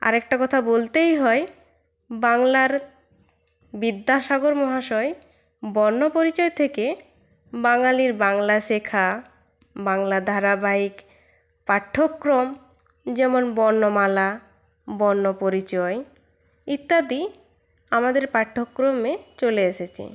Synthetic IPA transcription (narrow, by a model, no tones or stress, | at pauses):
a̰ɾɛk̚ʈakɔt̪ʰabolt̪ejɦɔe | baŋlaɾ | bid̪ʱːaʃaɡoɾmɔɦaʃɔe | bɔnːopoɾit͡ɕɔet̪ʰeke | baŋaliɾbaŋlaʃekʰa | baŋlad̪ʱaɾabaik | paʈʰːokːɾom | d͡ʑɛmonbɔɾnːomala | bɔɾnːopoɾit͡ɕɔe | it̪ːad̪i | amad̪eɾpaʈʰːokːɾomet͡ɕoleeʃet͡ɕʰḛ